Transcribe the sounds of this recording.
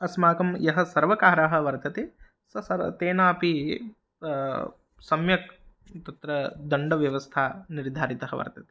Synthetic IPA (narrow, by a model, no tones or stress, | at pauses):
ɐsmaːkɐmjɐɦɐ̆sɐɾʋɐkaːɾaɦɐ̆ʋɐɾt̪ʰɐt̪eː | sɐsɐɾt̪eːnaːpi | sɐmjɐk̚ | t̪ɐt̪ɾɐd̪ɐɳɖɐʋjɐʋɐst̪ʰaːniɾd̪ʱaːɾit̪ɐɦɐʋɐ̰ɾt̪ʰɐt̪e̥